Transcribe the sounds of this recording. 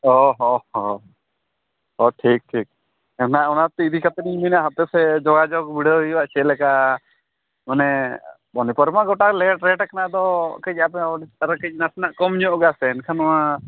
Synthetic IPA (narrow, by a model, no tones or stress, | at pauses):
ɔɦɔɔ | ɔʈʰik̚ʈʰiːk̚ | ɛnaʔɔnat̪ɛid̪ikat̪niɲminaʔɦat̪ɛsɛd͡ʒɔɡad͡ʒɔkbiɽəijbaʔt͡ʃɛlɛkaʔ | manɛ | bɔnipəɾmaɡɔʈalɛʈɾɛʈakanaʔd̪ɔkəc̚apɛɾkɛt͡ʃ̚nasnaʔkɔmɲɔ̃ʔɔɡasɛːnkʰanɔma